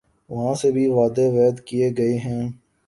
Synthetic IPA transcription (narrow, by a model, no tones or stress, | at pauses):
ʋɐɦãsebʱiʋaːd̪eʋɛːd̪kieɡɐeɦɛ̃ː